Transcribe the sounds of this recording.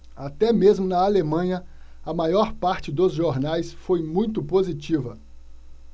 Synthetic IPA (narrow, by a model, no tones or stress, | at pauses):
at̪ɛmezmʊnɐalemɐ̃ɲɐ | ɐmajɔɾpaɾt͡ʃɪd̪ʊzʒoɾnajsfojmũj̃t̪ʊpozit͡ʃivɐ